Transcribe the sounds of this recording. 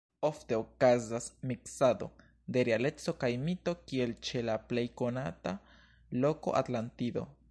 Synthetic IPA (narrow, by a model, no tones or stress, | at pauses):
oft̪e̞okazasmiksad̪o̞̰ | d̪e̞ɾeale̞t͡so̞kajmit̪o̞kie̞lt͡ʃe̞laple̞jkonat̪a | loko̞̰ʔa̰t̪lant̪id̪o̞̰